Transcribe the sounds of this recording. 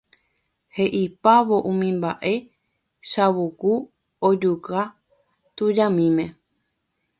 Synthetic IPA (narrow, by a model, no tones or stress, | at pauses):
heʔipaβo̞ʔũmĩmba̰ʔe̞ | ʃaβuɡu | od͡ʒuɣa | t̪ud͡ʒãmĩmẽ̞